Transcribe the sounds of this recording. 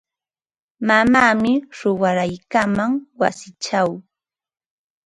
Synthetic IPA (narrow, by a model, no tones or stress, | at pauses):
mamaːmɪɾʊwaɾajkamaŋwa̰sɪt͡ʃaw